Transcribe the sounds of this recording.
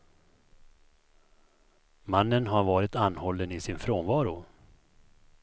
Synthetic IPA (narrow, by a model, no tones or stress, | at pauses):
manːənɦaɾvɑːɾɪt̪anhɔlːənɪsɪnfɾoːnvɑːɾʊ